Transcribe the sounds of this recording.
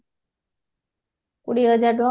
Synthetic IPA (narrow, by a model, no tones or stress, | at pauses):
kuɽiɦəd͡ʒaɾɖɔ